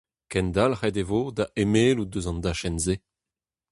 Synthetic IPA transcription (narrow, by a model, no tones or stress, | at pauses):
kɛnd̪alʁɛdevod̪aʔemeːludøzɑ̃nd̪aʃɛnze